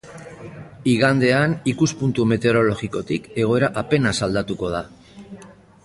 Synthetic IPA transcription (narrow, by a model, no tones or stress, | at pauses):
iɣand̪e̞anikuspunt̪ume̞t̪e̞ɾo̞lo̞ɣiko̞t̪ike̞ɣ̞o̞e̞ɾaʔape̞nasald̪at̪uko̞ð̞a